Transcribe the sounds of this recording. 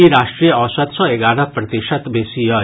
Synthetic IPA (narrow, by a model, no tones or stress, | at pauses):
iɾaʃʈɾijɔsat̪sɔeɡaɽɔ̃pɾɐt̪iʃat̪besiɔ